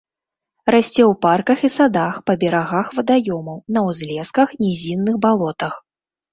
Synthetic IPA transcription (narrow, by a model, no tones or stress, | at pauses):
rasʲt͡sʲɛwparkɐxisad̪axpɐbʲɛɾaɣaxvɐd̪ajɔmɐwnɐwzʲlʲɛskɐxnʲɛzʲinːɨxbalˠɔt̪ɐx